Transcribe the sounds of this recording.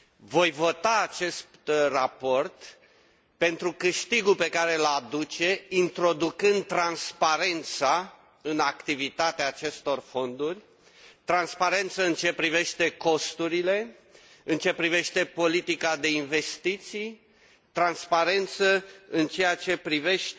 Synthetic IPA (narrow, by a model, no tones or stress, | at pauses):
vo̞jvo̞t̪aːt͡ʃe̞st̪t̪rapo̞rt̪ | pe̞nt̪ɾukɨʃt̪iɡupe̞kaɾe̞lad̪ut͡ʃe̞int̪ɾo̞d̪ukɨnd̪̚t̪ɾanspaɾe̞nt̪sa | ɨnakt̪ivit̪at̪eaːt͡ʃe̞st̪o̞rfo̞nd̪urʲ | t̪ɾanspaɾe̞nt̪səɨnt͡ʃe̞pɾive̞ʃt̪e̞ko̞st̪uɾile̞ | ɨnt͡ʃe̞pɾive̞ʃt̪e̞po̞lit̪ikad̪e̞inve̞st̪it̪sij | t̪ɾanspaɾe̞nt̪səɨnt͡ʃe̞jat͡ʃe̞pɾive̞ʃ